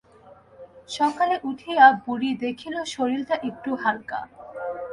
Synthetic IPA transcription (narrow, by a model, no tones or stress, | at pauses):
ʃɔkaleʔut̪ʰiabuɾid̪ekʰiloʃoɾilt̪aʔek̚ʈuɦalka̰